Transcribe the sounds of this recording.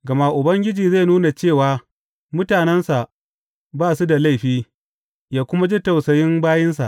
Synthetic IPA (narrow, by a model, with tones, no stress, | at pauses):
ɡɐ˨ma˦ʔʊ˨bɐ˦ŋɡʲɪ˦d͡ʒiː˨za˦˨nuː˦na˨t͡ʃeː˦˨waː˨ | mʊ˦taː˨nɛ˦nsa˨ʔ | baː˦˨su˦da˨la˦˨ɸiː˦ | jaː˦kʷʊ˦ma˦d͡ʒi˦ta˨wsɐ˨jɪ˦mbaː˦jɛ˦ns̬a̰˨ʔ